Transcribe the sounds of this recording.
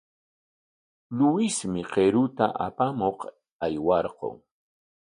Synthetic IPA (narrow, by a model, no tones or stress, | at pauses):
lʊwɪsmɪqeɾʊt̪a̰ʔa̰pamoq | ajwɑɾqo̰ŋ